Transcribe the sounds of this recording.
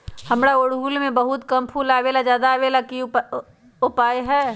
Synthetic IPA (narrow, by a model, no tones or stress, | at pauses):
hɐmɽaʊɽɦuːlmẽbɐɦʊt̪kɐmpʰuːlaːʋelad͡ʒjaːd̪aːʋelaki | ʊpaːjɦɛː